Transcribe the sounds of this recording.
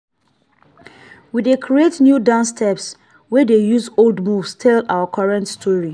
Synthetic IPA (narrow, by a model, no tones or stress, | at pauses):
widekʰɹietnjudãnstʰɛps | wɛdejuzoldmuvstʰɛla̰əkʰɔɹɛ̃ntstʰɔɹi